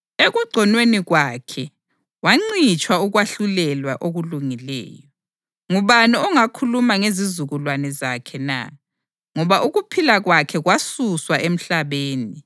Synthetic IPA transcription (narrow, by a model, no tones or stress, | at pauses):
eɣuɡ͡ǀʱɔnweniɣwakʰɛ | waŋ͡ǀit͡ʃʰʼwauɣwaɬulɛlwaʔoɣuluŋilɛ̰ːjɔ | ŋuβaniɔŋakʰulumaŋezizuɣulwanɛzakʰɛna̰ | ŋɔβaʔuɣupʰilaɣwakʰɛɣwasuswaʔem̩ɬaβeːni